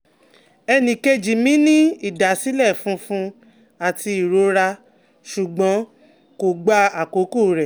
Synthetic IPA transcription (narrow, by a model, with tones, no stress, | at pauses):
ɛ˧nĩ˨ke˧d͡ʒi˨mĩ˦nĩ˦i˦˨da˨si˨˦lɛ˦˨fũ˦fũ˧˦ | a˨ti˧i˨ɾo˧˦ɾa˧ | ʃu˨ɡ͡bɔ̃˨˦ | ko˨ɡ͡ba˧a˨ko˨˦ko˦˨ɾɛ˨